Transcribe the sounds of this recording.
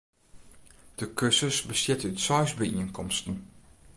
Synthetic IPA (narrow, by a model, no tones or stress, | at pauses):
d̥əkʰøsəsbəsjɪtəytsɔjsbəiənkʰɔmstən̩